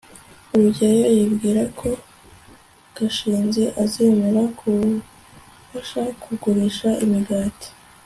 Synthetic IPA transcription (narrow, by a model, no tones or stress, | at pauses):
uɾuɟajojibɡiːɾakʰo̞ | kaʃiːnzeʔazeːme̞ɾakʰu | faʃakʰuɡuɾiʃaʔimiɡaːti̥